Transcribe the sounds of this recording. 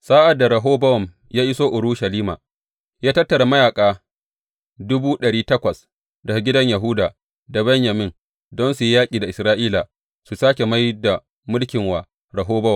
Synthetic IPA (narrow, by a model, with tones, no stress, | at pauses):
saː˦ʔa˨dːa˨ɾɐ˨ɦoː˦bɐ˦wɔ˨m | jaː˦ʔɪ˦soː˦ʔʊ˨ɽuː˦ʃɐ˨liː˦ma̰ː˨ | jaː˦tɐ˦tːɐ˨ɽa˨mɐ˦jaː˨kʼaː˨ | dʊ˦buː˦ɗɐ˨ɽiː˦tɐ˦kʷɐ˨s | dɐ˨ɡʲɪ˦dɐ˦ɲja˨ɦʊ˦daː˨ | da˨bɛ˦ɲjɐ˨mɪ˦n | dɔ˦nsu˨ji˦jaː˦kʲʼiː˨da˨ʔɪ˨sɾaː˦ʔiː˦la˨ | su˨saː˦kʲe˨ma˦jda˨ | mʊ˦lkʲɪ˨ŋwaː˨ | ɾɐ˨ɦoː˦bɐ˦wɔ˨